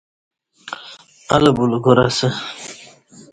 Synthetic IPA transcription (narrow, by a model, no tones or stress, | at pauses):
albulɡoɾa̰sə